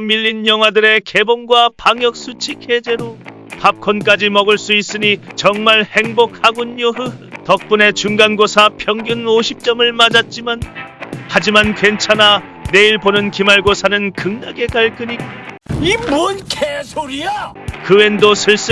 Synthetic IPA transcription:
miʎːinjʌŋɦwadɯɾe̞ke̞bonɡwapaŋjʌk̚s͈ut͡ɕʰikʰe̞d͡ʑe̞ɾo | pap̚kʰonk͈ad͡ʑimʌɡɯɭs͈uis͈ɯɲit͡ɕʌŋmaɭhe̞ŋbok̚ʰhaɡunjoɦɯtʌk̚p͈une̞t͡ɕuŋɡanɡosʰapʰjʌŋɡjunoɕʰip̚t͡ɕ͈ʌmɯɭmad͡ʑat̚t͡ɕ͈imanhad͡ʑimankwe̞nt͡ɕʰana | ne̞iɭponɯnkimaɭɡosʰanɯnkɯŋnaɡe̞kaɭk͈ɯɲikimonkʰesʰoɾia | kɯwe̞ndosʰɯɭs͈

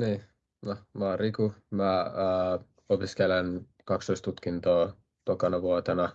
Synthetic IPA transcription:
niː | nomɑrikumæː | opiskelen | kɑkst̪oist̪ut̪kint̪oː | t̪okɑnɑʋuot̪enɑ

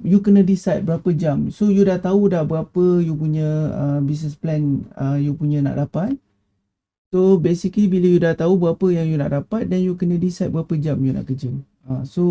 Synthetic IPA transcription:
jukənə̃disat̪̚bəɾapəd͡ʒamsojudaht̪audahbəɣapəjupuɲə̃əbis̬nəsplɛnəjupuɲə̃na̰ʔdapat̪̚ | sobesiklibiləjudaht̪aubəɣapəjaŋjuna̰ʔdapat̪̚dɛnjukənə̃disajt̪̚bəɾapəd͡ʒamjuna̰ʔkəd͡ʒə | aso

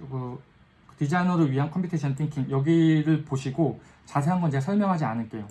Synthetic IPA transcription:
kɯ | tid͡ʑainʌɾɯɭɥiɦankʰmpʰutʰeɕʰʌntʰiŋkʰiŋjʌɡiɾɯɭpoɕʰiɡo | t͡ɕasʰe̞ɦanɡʌnd͡ʑiasʰʌɭmjʌŋɦad͡ʑianɯnk͈e̞jo

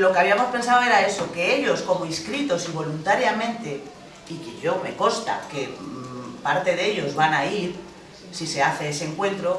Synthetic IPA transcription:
lo̞keaβiamo̞spẽ̞nsaoe̞ɾae̞so̞ke̞eʎo̞sko̞moiskɾit̪o̞siβ̞o̞lunt̪aɾjamẽ̞nt̪e̞ | ikeʝo̞me̞ko̞st̪a̰ke̞ | paɾt̪e̞ðe̞ʎo̞zβanaiɾ | sise̞aθe̞ese̞ŋkwe̞nt̪ɾo

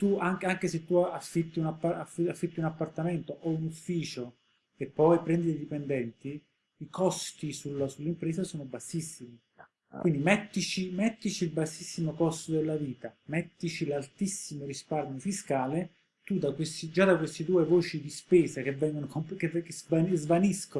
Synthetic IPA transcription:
t̪uaŋkaŋk̟eset̪ːuaafːit̪ːiunapːaafafːit̪ːiunapːart̪ament̪oʔounufːiːt͡ʃo | epːɔjpɾɛnd̪id̪ejd̪ipend̪ɛnt̪i | ikɔst̪isulsulːimpɾeːzasoːnobasːisːimi | kwind̪imɛt̪ːit͡ʃimɛt̪ːit͡ʃiːlbasːisːimokɔst̪od̪elːaviːt̪amɛt̪ːit͡ʃilalt̪isːimoɾisparmjofiskaːle | t̪ud̪akwest̪id͡ʒad̪akwest̪it̪uːevoːt͡ʃid̪ispeːsakevːɛŋɡonokomkekezvanzvanisko

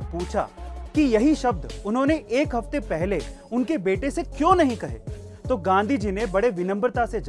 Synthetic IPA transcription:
puːt͡ʃʰa̰kijɐɦiʃɐb̚d̪ʊnɦõːneʔeːkɦɐft̪epɛɦleʊnkebeːʈesekjõːnɐɦĩkɐɦḛːt̪oːɡãːnd̪ʱid͡ʒinebɐɽeʋɪnə̃mbɾt̪ased͡ʒ

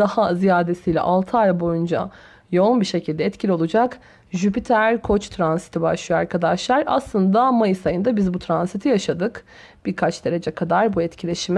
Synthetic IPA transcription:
ahazijaːd̪e̞sijlʲɛ̰ʔalˠt̪ʰaɾbo̞jund͡ʒa̰ | jo̞unbiʃe̞cʰilʲd̪ɛːt̪cʰilʲio̞lˠud͡ʒak | ʒypit̪ʰæɾkʰo̞t͡ʃt̪ʰɾansi̥t̪ʰibaʃlˠɯjaɾkʰad̪aʃlˠaɾa̰slˠɯnd̪amajɯsajɯnd̪abizbut̪ʰɾansit̪ʰijaʃad̪ɯk | b̥iɾkʰat͡ʃd̪e̞ɾe̞d͡ʒɛkʰad̪aɾbuɛt̪cʰilʲe̞ʃim

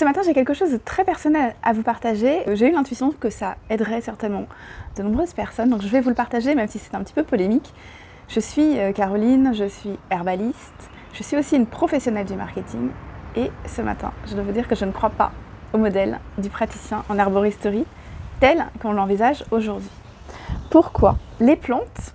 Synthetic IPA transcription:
səmat̪ɛ̃ʒekʲɛlkəʃozd̪ət̪χɛpɛʁsɔnɛla̰vupaʁt̪aʒeʒeylɛ̃t̪ɥisjɔ̃kəsaɛd̪ʁɛsɛʁt̪ɛnmɑ̃d̪̥ənɔ̃bʁøzpɛʁsɔnd̪ɔ̃kʒəvɛvuləpaʁt̪aʒemɛmsisɛ̥t̪ɛ̃pət̪i̥pøpɔlemik | ʒ̥əsɥiøkaʁɔlinʒəsɥiɛʁbalist̪ | ʒ̥əsɥiosiynpχɔfɛsjɔnɛld̪yma̰ʁkʲet̪ʰiŋesəma̰t̪ɛ̰̃ʒəd̪wavud̪iʁkəʒənəkχwapa̰omɔd̪ɛld̪ypχat̪i̥sjɛ̃ʔɑ̃naʁbɔʁist̪oʁi | t̪ɛlkɔ̃lɑ̃vizaʒoʒuʁd̪ɥi | puʁkwa̰leplɑ̃t̪

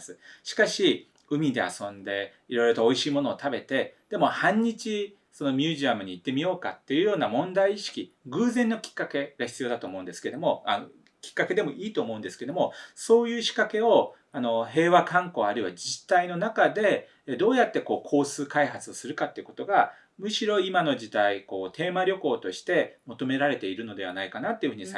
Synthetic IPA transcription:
sɨɕi̥kaɕi | ɯ̟mʲid̪e̞̰a̰sõ̞nd̪e̞ | iɾo̞iɾo̞t̪oːiɕiːmo̞no̞ːt̪abe̞t̪e̞d̪̥e̞mo̞hãɲ̟ːit͡ɕi | so̞no̞mʲjɨːʑiamɯ̟ɲ̟iːt̪ːe̞mʲijo̞ːka̰t̪ːe̞jɯ̟jo̞ːnamõ̞nd̪aiːɕi̥kʲiɡɯ̟ːzẽ̞nːo̞kʲi̥kːake̞ɡ̥açʲi̥t͡sɨijo̞ːd̪at̪oːmo̞ɯ̟̃nd̪e̞sɨ̥keed̪o̞moa | kʲi̥kːake̞d̪e̞mo̞ʔiːt̪o̞ːmo̞ɯ̟̃nd̪e̞sɨ̥ked̪o̞mo̞so̞ːjɯ̟ːɕi̥kake̞o̞ | ano̞he̞ːβakãŋko̞ːaɾɯ̟iβad͡ʑit̪ːaino̞nakad̪e̞ | d̪o̞ːjat̪ːe̞ko̞ːkʰo̞ːsɨːkaiɦat͡sɨo̞sɨɾɯ̟kat̪ːeiɯ̟ko̞̥t̪o̞ɡa | mɯ̟ɕiɾo̞imano̞ʑid̪aiko̞ːt̪e̞ːmaɾʲo̞ko̞ːt̪o̞ɕi̥t̪e̞mo̞t̪o̞me̞ɾaɾe̞t̪e̞iɾɯ̟no̞d̪e̞β̞anaikanat̪ːeiɯ̟ɯ̟ɲ̟is

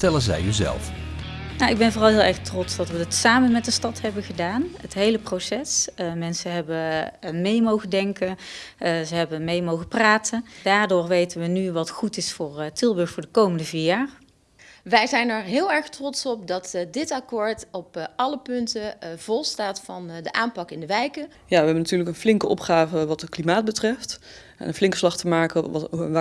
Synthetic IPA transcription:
ətɛlənzɛ̰jyzɛ̰lˠf | nawɪɡ̚bɛnvʊːrɑlˠɦɪːlˠɛɹxtrɔtsdɑtʋətsaːmənmɛt̚dəstɑtɦɛbəɣədaːnətɦejləprowsɛsmɛnsəɦɛbəmejmowɣədɛŋkənzəɦɛbəmejmowɣəpraːtəndaːɹdoːɹʋejtənʋənyʋɑtxutɪsfʊːɹtɪlˠbɵɹxfʊːɹdəkowməndəviːɹjaːr | ʋɛjzɛjnɛɹɦɪːlˠɛɹχtrɔtsɔp̚dɑtdɪtɑkʊːɹtɔpɑləpɵntəv̥ɔlˠstaːtfɑndəʔaːmpɑkɪndəʋɛjkə | jaːʋəɦɛbənatyːɹləkənflɪŋkəʔɔ̰pχaːvəʋɑtətklimaːd̚bətrɛft | ɛ̰nənflɪŋkəslɑχtəmaːkə

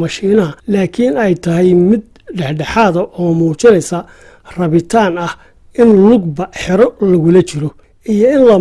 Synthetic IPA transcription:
mɐʃiːnɐɐlaːkʰinɛjt̪ʰɐɦɛjmɪd̪̚ | ɖɛħɖɛħaːðɐʔɔːmuːt͡ʃɪnɛjsɐ | rɐβɪt̪ʰaːnɐh | ʔɪnlʊɡbɐħɪɾɔlɐɣʊlɐt͡ʃʰɪɾɔ | ijɔɪnlɐ

